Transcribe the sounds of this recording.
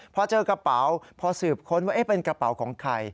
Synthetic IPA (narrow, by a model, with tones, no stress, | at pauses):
pʰɔː˧t͡ɕɤː˧ka˧pa˩˦wpʰɔː˧sɯː˨˩p̚kʰo˦˥nwaː˥˩ʔeː˦˥˩pe˧nkɾa˧pa˩˦wkʰɔː˩˦ŋkʰa˧j